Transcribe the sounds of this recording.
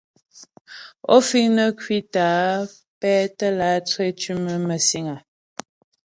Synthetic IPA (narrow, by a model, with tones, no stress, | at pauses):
o̰˦fi˦ŋnə˦kwi˦taː˨˦ | pɛ˦tə˦la˨˦t͡swe˦t͡ʃi˦mə˦mə˨si˦ŋa˨